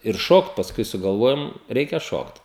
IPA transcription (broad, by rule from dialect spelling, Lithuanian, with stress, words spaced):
ɪr ˈʃoːkt pɐsˈkʊɪ sʊɡɐlˠˈʋoːjoːm ˈrʲɛɪkʲɛ ˈʃoːkt